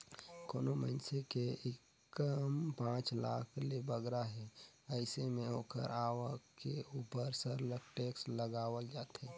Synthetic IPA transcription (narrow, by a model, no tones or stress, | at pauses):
koːnomə̰ɪnsekeɪk | əmpãːt͡ʃlaːkʰlebəɡɾaɦɛ | əɪsemẽoːkə̰ɾaːʋəkeuːpəɾsəɾlək̚ʈeːksləɡaːwəld͡ʒaːt̪ɦeː